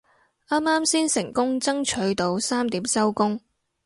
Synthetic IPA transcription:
ʔaː˥maː˥msiː˥nsɪ˨˩ŋkʊ˥ŋt͡sɐ˥ŋt͡ʃʰɵ˨˧ɥt̪o˨wsaː˥mt̪iː˨˥msɐ˥wkʊ˥ŋ

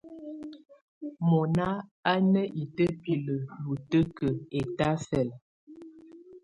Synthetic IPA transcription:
mɔ˨na˦a˦nə˦ʔi˨tə˦pi˨lə˨ju˨tə˦kə˨e˨ta˦fɛ˨l

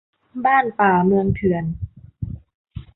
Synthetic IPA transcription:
baː˥˩npaː˨˩mɯ˧əŋt̪ʰɯ˨˩ən

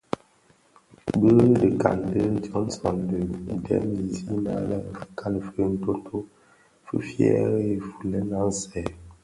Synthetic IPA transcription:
bə˦də˨ka̰˨ndə˦tɔ˦n˦sɔ˨ndə˨dɛ̰˨˦mi˨zi˦na̰˦la˦˨fə˨kʰa˦lfə˦n̩˦to˦tʰo˦ | fə̰˦fjɛ̰˦ɾe˨fu˨lɛ˦na˦n̩˦sɛ˨

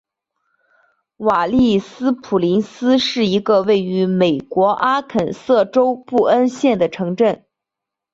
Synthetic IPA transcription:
wa˨˩li˥˩sɹ̩˥pʰu˨˩li˧˥nsɹ̩˥ʂɻ̩˥˩i˧˥ɡə˧we˥˩ɪy˧˥me˨˩ɪkwɔ˧˥ʔa˥kʰə˨˩nsɤ˥˩ʈ͡ʂo˥ʊpu˥˩ə˥nɕjɛ˥˩nd̪ə˩ʈ͡ʂʰɤ˧˥ŋʈ͡ʂə˥˩n

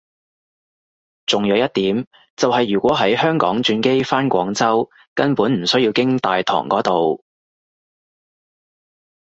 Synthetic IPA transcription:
t͡sʊ˨ŋjœː˨˧wjɐ˥t̚t̪iː˨˥m | t͡sɐ˨wɦɐ˨jɥyː˨˩kʷɔː˨˥ɦɐ˨˥jhœː˥ŋkɔ̰ː˨˥ŋt͡ʃyː˧nke˥jfaː˥nkʷɔ̰ː˨˥ŋt͡sɐ˥w | kɐ˥npuː˨˥nm̩˨˩sɵ˥jiː˧wkɪ˥ŋt̪aː˨jt̪ʰɔ̰ː˨˩ŋkɔː˨˥t̪o˨w

